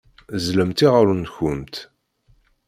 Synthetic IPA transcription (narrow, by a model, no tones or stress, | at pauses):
zləmt̪iʁəɾunçʊmt̪